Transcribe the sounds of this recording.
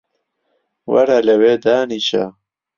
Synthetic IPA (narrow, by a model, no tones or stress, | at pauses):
wa̰ɽalewed̪aːniɕa̰